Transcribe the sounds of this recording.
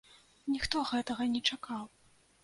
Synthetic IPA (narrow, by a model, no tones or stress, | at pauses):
nʲixt̪ɔɣɛt̪ɐɣɐnʲɛt͡ʂakaw